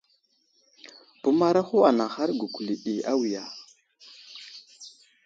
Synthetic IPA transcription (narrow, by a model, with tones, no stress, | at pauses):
bu˦ma˦ɾa˦xo˦a˨na˨xa˦ɾɡu˨ku˨li˨ʔi˨a˦wi˨ja˨